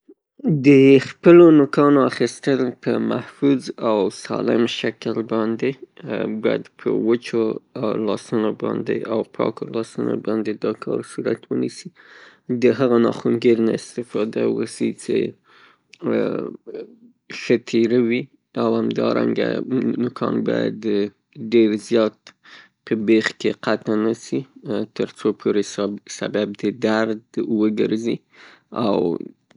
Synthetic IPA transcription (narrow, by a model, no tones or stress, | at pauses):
d̪əxpəlonʊkɑnoaxist̪əlpəmahfuzawsɑlɪmʃakəlbɑnd̪ebɑjad̪pʰə̰wət͡ʃoawlɑsunobɑnd̪ḛʔawpʰɑkolɑsuno̰bɑnd̪ed̪ɑkʰɑɾsuɾat̪wənisi | d̪əɦaɣanɑxuŋɡeɾnaɪst̪ɪfɑd̪awəsit͡sḛ | ʃət̪ʰeɾawi | awhamd̪ɑɾa̰ŋɡa̰nʊkʰɑnbɑja̰d̪ | ɖeɾzjɑt̪̚ | pʰəbexkeqat̪anasit̪əɾt͡sopʰoɾesabab̚d̪əd̪aɾd̪wəɡəɾzi | aw